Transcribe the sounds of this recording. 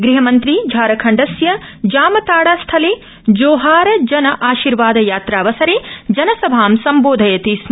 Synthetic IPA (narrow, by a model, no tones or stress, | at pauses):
ɡɾiɦɐmɐnt̪ɾid͡ʒʱaːɾɐkʰɐɳɖɐsjɐd͡ʒaːmɐt̪aːɽaːst̪ʰɐleː | d͡ʒoːɦaːɾɐd͡ʒɐnɐʔaːʃiːɾʋaːd̪ɐjaːt̪ɾaːʋɐsɐɾeːd͡ʒɐnɐsɐbʱaːmsɐmboːd̪ʱɐjɐt̪is